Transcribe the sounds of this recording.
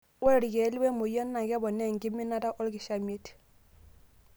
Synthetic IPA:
wɛ˦˨ɺi˨ke˨˦li˦wɛ˦mʊ˨jɔ˦n̩ː˦a˨kɛ˦bɔ˨nɛ˦˨ŋ̩˨ɡɪ˦mɪ˦na˦ta˦ʔɔ˦lki˨ʃa˦mi˦tʰi̥˨

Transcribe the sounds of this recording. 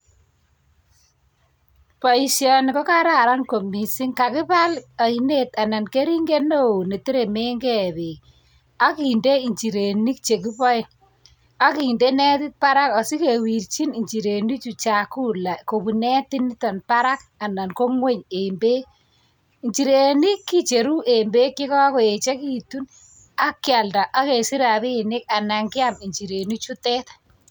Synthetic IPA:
pɔ˨i˨ʃjɔ˨ni˨kɔ˦ka˦ɾa˨ɾa˦nko˨mi˨si˦ŋka˨kɪ˦pa˦lɔ˨i˨ne˦ta˨na˨nke˦ɾi˦ŋɡe˦no˦˨o˨ne˨ti˦ɾe˨me˦ŋɡɛ˦βe˨ | a˦ki˨nde˦i˨ɲt͡ʃi˨ɾe˨ni˦k̚t͡ʃe˨k̬i˦pɔ˦ɪ˦ | a˦ki˨nde˦nɛ˦tɪ˦t̚pa˦ɾa˦kɔ˨si˦ke˨wi˨ɾt͡ʃi˦ni˨ɲt͡ʃi˨ɾe˨ni˦t͡ʃu˨t͡ʃa˨ku˦la˨ko˨bu˨nɛ˦ti˦ni˦tɔ˨npa˦ɾa˦ka˨na˨nko˦ŋwe˦ɲe˨mbeː˦ | i˨ɲt͡ʃi˨ɾe˨ni˦kːi˦t͡ʃe˨ɾu˦ʔe˨mbe˦ki˦ka˦ko˨e˨t͡ʃe˦ki˦tu˦n | a˦kːɪ˦a˨lda˨ʔa˦ke˨si˦ɾa˨βi˦nɪ˦ka˨na˨ŋɡɪ˦a˦mi˨ɲd͡ʒi˨ɾe˨ni˦t͡ʃu˦tɛ˦t

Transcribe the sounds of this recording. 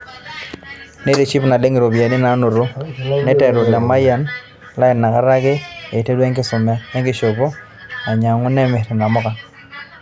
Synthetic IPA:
ne˦ɾe˨t͡ʃi˦pna˨le˦ŋɪ˨ɾo˨bja˨nɪ˦na˨˦no˨ɾo˦nɛ˦tɛ˨ɾʊ˨lɛ˨ma˦ja˦n | la˦ɪ˨na˨ka˦ɾa˦ɡɪ˦e˨te˦dɛ˦ŋɡɪ˦sʊ˨ma˦ɛ˦ŋɡɪ˨ʃo˨bo˦ | a˨ɲa˨ŋʊ˦nɛ˦mɪ˨ɾna˨mɔ˦ka˨

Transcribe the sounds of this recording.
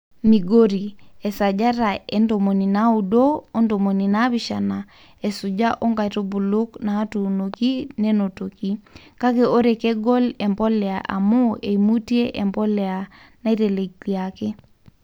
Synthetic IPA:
ni˨ɡo˦ɾi˨ɛ˨sa˨d͡ʒa˦ɾae˦ndo˨mo˨ni˨naudoː˦ndo˨mo˨ni˨na˦βiʃa̰˨na˨ | e˨su˨d͡ʒa˦ʔo˦ŋɡa˨to˦bu˨lo˦knaː˨˦tu˨no˨ki˦nɛ˦no˨to˨ki˦ | ka˦ke˨o˦ɾe˨kɛ˦ɡɔ˦lɛ˨mbɔ˦lɛ˨a˨ʔa̰˨mo˦e˨imu˦ti˦e˦ʔembɔ˦lɛ˨a˨ | na˦i˦ɾe˨le˨ɡi˨jakɛ˦

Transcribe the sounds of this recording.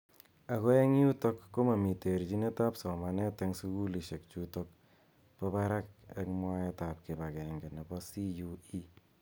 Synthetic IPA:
a˨ko˦e˦ŋ˦u˦to˦kːo˦ma˨mi˨te˨ɾt͡ʃi˦ne˦ta˦psɔ˨ma˨nɛ˦te˧ŋsu˦ku˦li˨ʃe˨k̚t͡ʃu˨to˦k̚ | pɔ˦pa˦ɾa˦k̚ḛ˨kmwa˦e˦ta˨p̚ke˨ba˨kɛ˨ŋɡɛ˨ne˨pa˦si˦ju˦i˦

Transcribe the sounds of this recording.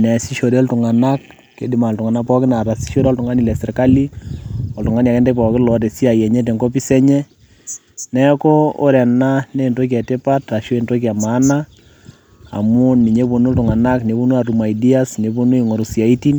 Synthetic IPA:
nɛ˨si˦ʃo˨ɾɛ˦ltʊ˨ŋa˨na˦kː | e˨di˦ma˨ltʊ˨ŋa˨na˦pɔ˦kɪ˦na˨ɾa˨si̥˦ʃo˦ɾɔ˦ltʊ˨ŋa˦ni˨lɛ˨sɪ˨rka˦li˦ɔ˨ltʊ˨ŋa˦nja˨kɛ˦ndɛ˦pɔ˨kɪ˦lɔ˨te˨si˦a˨jɛ˨ɲe˦t̬e˨ŋɡo˦pi˦sɛ˦ɲɛ˦ | nɛ˦ko˦o̰˦ɾɛ˨na˦ne˦˨nto˦k̬ɛ˨te˦pa˦tra˨ʃo˦e˨nto˦k̬ja˨ma˦na˦ | a̰˨mʊ˦ni˨ɲe˦po˨nu˦ltʊ˨ŋa˨na˦kne˨bo˦nu˦a˨ru˨ma˨idi˦a˦sne˨po˦nu˦i˨ŋo˨ɾu˨sja˨i˦ti˦n

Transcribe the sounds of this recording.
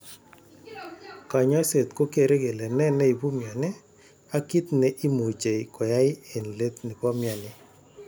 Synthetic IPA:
ka˨ɲɔ˦se˨t̪ko˦ke˨ɾe˦ɡe˨lɛ˨nɛ˦nɛ˦i˨bu˦mja˨nɛ˦ | a˦ki˦t̪nɛ˨ʔi˦mo˨t͡ʃe˨ɪ˨kɔ˨ja˦ɪ˦e˨n˨le˦t̪nɪ˨bɔ˦mja˨nɪ˦

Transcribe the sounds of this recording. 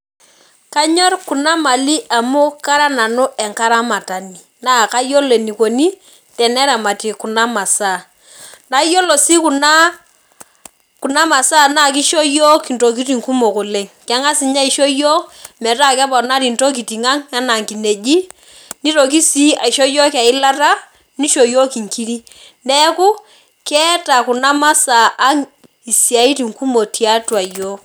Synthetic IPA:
ka˦ɲɔ˦rku˨na˦ma˨li˦ʔa˨mu˦ka˦ɾa˦na˨nʊ˦ʔɛ˨ŋka˦ɾa˦ma˨ta˨ni˨ | na˦˨ka˦jo˦le˨ni˨ko˨ni˦ | tɛ˨nɛ˦ɾa˨ma˨ti˨ku˨na˦ma˨sa˦˨ | na˦jo˦lo˨si˦ku˨na˦ | ku˨na˦ma˨sa˦na˦˨k̬i˦ʃo˦jɔ˦kːi˨nto˨k̬i˦ti˨ŋku˦mo˨ko˨le˦ŋkɛ˦ŋa˦si˨ɲa˦i˨ʃo˦jo˦mɛ˨ta˦˨kɛ˦bɔ˨na˦ɾi˨nto˦k̬i˨ti˨ŋa˦ŋa˦na˨ŋki˨ne˨d͡ʒi˦ | ni˦ɾo˨ki˦si˦a˨i˨ʃo˦jo˦ka˨i˦la˦ta˦ | ni˦ʃo˨jo˦ki˨ŋki˦ɾi˦ | nɛ˦ku˦ | kɛ˦ta˨ku˨na˦ma˦saː˨˦ŋ | i˨si˨a˨i˦ti˨ŋku˦mo˨ti˨a˦twa˨jo˦

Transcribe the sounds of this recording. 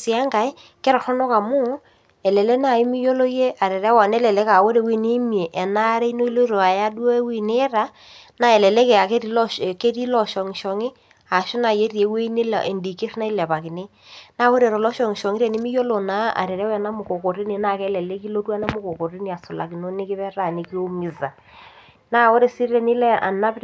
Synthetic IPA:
sɪ˨a˦ŋka˨ɪ˦ | kɛ˦ɾɔ˨rɔ˦nɔ˦ka˨mu˦ | ɛ˨lɛ˨le˦na˨i˦mi˦jo˦lo˦je˦ʔa˨ɾɛ˨ɾɛ˦wa˨nɛ˦lɛ˨le˦ka˨wo˦ɾe˨wi˦ne˦mi˨e˨ʔɛ˨na˦ɾe˦ino˦i˦lo˦ɾo˨a˨ja˦dwɔ˦wi˦ne˦ɾa˦ | na˦ɛ˨lɛ˨le˦kɛ˨a˨ke˦ɾi˦lɔ˦˨ke˦ɾi˦lɔ˨ʃɔ˨ŋi˨ʃɔ˨ŋɪ˦ | a˨ʃʊ˦na˨je˦ɾi˨e˨˦we˦nɪ˦lʔe˨ndi˨ki˦rna˦i˦lɛ˨pa˨kɪ˨ne˦ | na˦wo˦ɾe˨ɾo˨lɔ˦ʃɔ˨ŋɪ˨ʃɔ˨ŋi˦ɾɛ˨nɪ˦mi˦jo˦lo˨na˨˦ʔa̰˨ɾɛ˨ɾɛ˦wɛ˨na˦mʊ˨ko˨ko˨ɾi˦ni˨na˦˨kɛ˦lɛ˨le˦ki˦lo˦twa˦na˦mʊ˨ko˨ko˨ɾi˦ni˨a˨sʊ˨la˨kɪ˨no˦ne˦kɪ˦pɛ˦ɾa˨ne˨˦ki˦o˦mi˨za˨ | na˦˨wo˦ɾe˨si˦ɛ˦nɪ˦lɛ˦ʔa̰˨na˦p

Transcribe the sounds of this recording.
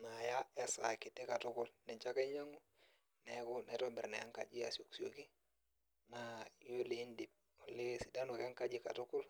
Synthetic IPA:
na˨ja˦ɛ˦sa̰˨ki˨te˦ka˨tʊ˦kʊ˦lni˨ɲt͡ʃa˦ke˦ɲa˦ŋu˦ | ne˨˦ku˦ne˨to˦bi˨ɾne˨ja˦ŋka̰˨d͡ʒi˦a˨so˨ksi˦o˨ki˦ | na˨jo˦li˦ndi˨b̚ | o˨li˦si˨da˦nu˨ke˦ŋka˦d͡ʒi˦ka̰˨tu˦ku˦l

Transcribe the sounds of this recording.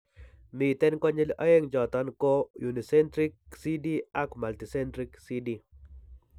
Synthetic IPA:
mi˨t̪ɛ˦nkɔ˦ɲe˦lʔa̰˦e˦ŋd͡ʒɔ˨t̪a˦nkɔ˦ju˨ni˨sɛ˦ntɾi˦ksi˦di˦akma˨lt̪i˨sɛ˦ntɾiksi˦di˨

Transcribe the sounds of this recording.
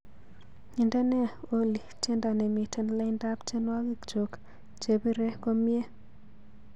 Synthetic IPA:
i˨ndɛ˦nɛ˦ | o˦li˨t͡ʃe˦nda˨nɛ˨mi˨te˦nla˦ɪ˦nda˦pt͡ʃe˦nwa˦ɡi˦kt͡ʃo˨k | t͡ʃe˦be˦ɾe˦ko˦mje˦

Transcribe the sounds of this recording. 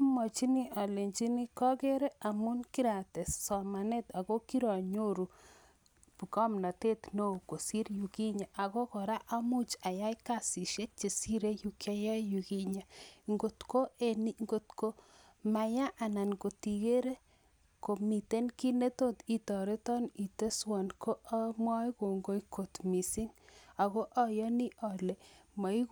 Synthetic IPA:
mɔ˨t͡ʃi˦ni˦ʔa˨le˨ɲt͡ʃi˦ni˦kɔ˦ɡe˦ɾe˦a˨mu˦nki˦ɾa˨tɛ˨sɔ˨ma˨nɛ˦t̪a˨ɡo˦ki˦ɾɔ˨ɲo˦ɾu˨ | pu˨kɔ˦mna˨te˦t̪no˦˨ko˨si˦ɾju˨ki˦ɲa˨ʔa˨ɡo˦kɔ˨ɾa˦ʔa˦mu˦t͡ʃa˨ja˦jka˦˨si˨ʃe˦t̚t͡ʃe˨si˦ɾe˦ju˦kja˦ja˦ju˨ki˦ɲa˨ŋɡo˨t̪ko˦ʔe˨ni˦ŋɡo˨t̪ko˦ | ma˨ja˦ʔa˨na˨nko˨t̪i˨ɣe˦ɾe˦ | ko˨mi˨t̪e˦nki˦ne˦t̪o˦t̪i˦t̪ɔ˨ɾe˦t̪ɔ˦ni˨t̪e˦swa˨nko˦a˦mwa˦jko˨ŋɡo˦jkʰo˨t̪mi˨si˦na˨ɣo˦ʔa˦jɔ˦ni˦ʔɔ˨le˨ma˨i˦

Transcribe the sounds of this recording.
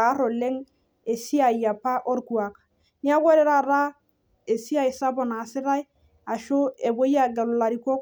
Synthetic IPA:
a˨˦ɾɔ˨le˦ŋ | e˨si˦a˨ja˨pa˦ʔɔ˦ɾku˨a˨k | ɲ˦a˦ɡwɛ˦ɾɛ˦ɾa˦ɾa˦ | e˨si˦a˦i˨sa˦bɔ˨na˨sɪ˦ɾa˦j | a˨ʃo˦e˨bo˦ja˦ɡa˨lo˨la˨ɾi˨kɔ˦k

